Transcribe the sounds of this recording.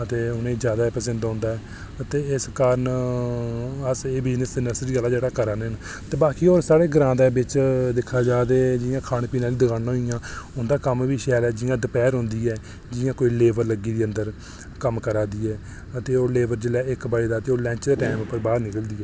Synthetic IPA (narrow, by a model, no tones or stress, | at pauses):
ət̪eːʊnẽːd͡ʒjaːd̪aːpəsə̃nd̪ɔ̃ːnd̪aːɛː | ət̪eːɪskaːɾən | əseːbɪd͡ʒnəsɪnəsɾiːɡəlaːd͡ʒeːɽaːkəɾaːnn | t̪eːbaːkiːoːɾsaːɽeːɡəɾãːd̪eːbɪt͡ʃd̪ɪkʰːaːd͡ʒaːd̪eːd͡ʒɪjãːkʰaːñpiːnãːliːd̪əɡãːnãːɦoijãːʊnd̪aːkəmʋiːʃɛːlɛːd͡ʒɪjãːɖ̪əpɛːɾɦʊ̃ːnd̪iːɛː | d͡ʒɪjãːkoːiːleːʋəɾləɡiːd̪iːənd̪əɾ | kəmkəɾaːd̪iːɛː | ət̪eːoːleːʋəɾd͡ʒəlɛːɪkbaːeːd̪aːt̪eːoːlɛ̃ːt͡ʃd̪eːʈɛːmʊpːəɾbaːɾnɪkəld̪iːɛː